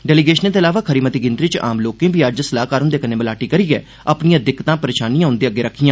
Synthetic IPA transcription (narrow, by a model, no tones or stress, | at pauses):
ɖɛːliɡeːʃəneːt̪eːəlaːʋaːkʰəɾiːmət̪iːɡɪnt̪ɾiːt͡ʃa̰ːmloːkẽːbiːəd͡ʒsəlaːkaːɾʊ̃nd̪eːkəneːbəlaːʈiːkəɾiːɡɛ̰ː | əpnĩjãːd̪ɪkːt̪ãːpəɾeːʃaːnijãɦʊ̃nd̪eːəɡːeːɾəkʰːijãː